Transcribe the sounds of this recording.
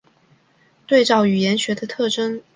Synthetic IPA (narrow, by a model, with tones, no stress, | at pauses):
t̪we˥˧ɪʈ͡ʂɑ˥˩ʊy˨˩jɛ˧˥nɕɥɛ˧˥d̪ə˧t̪ʰɤ˥˩ʈ͡ʂɤ˥ŋ